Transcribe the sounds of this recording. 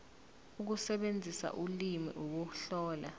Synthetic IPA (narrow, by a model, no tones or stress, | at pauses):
uk̬usɛɓend͡zʱisa̰ʔulimḭʔuk̬uɬɔːla̰